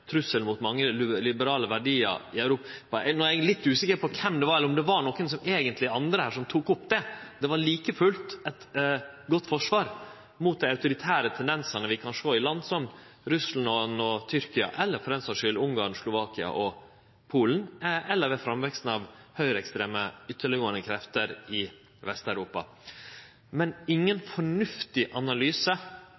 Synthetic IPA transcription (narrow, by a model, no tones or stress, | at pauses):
t̪ʰɾʉsːəlmʊt̪mɑŋːəllɪbəɾɑːləʋæɖiːə̰ɾɪɑʉɾuːppɑɛnɔælɪt̪ːʉːsɪkəɾpɔkʰɛmd̪ɛʋɑɾɛlːəɾɔmd̪ɛʋɑɳɔkəns̬ɔmeːɡənt̪lɪɑnd̪ɾəhæːʂɔmt̪ʰuːkʊpːd̪ɛd̪̥ɛʋɑɭiːkəfʉlt̪ɛt̪ɡɔt̪ːfɔʂʋɑːɾ | mʊːt̪̚d̪æɪɑʉt̪ʊɾɪt̪ʰæːɾət̪ʰɛnd̪ɛnsɑnəʋɪkʰɑnʂoːɪlɑnd̪sɔm | ɾʉslɑnɔnɔt̪ʰʏɾkɪɑ̰ʔɛlːəɾfɔɾɛnsɑʂʏlʊŋɡɑɳslʊʋɑːkɪɑ̰ʔɔ | pʰuːln̩ʔɛlːəɾʋɛfɾɑmʋɛkst̪n̩ɑʋhœʏɾəɛkst̪ɾeːməʏt̪ːəɭɪʊːənəkʰɾɛft̪əɾɪ | ʋɛst̪æʉɾuːpɑ̰ | mɛnɪŋːənfɔɳʉft̪ɪʔɑnɑlyːsə